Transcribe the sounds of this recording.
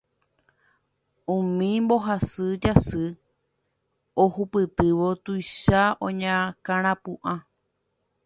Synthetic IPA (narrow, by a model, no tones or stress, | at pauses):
ũmĩmbo̞ɦasɨd͡ʒasɨ | ohupɨt̪ɨʋo̞t̪ujʃaõɲãkãɾ̃ãpuʔã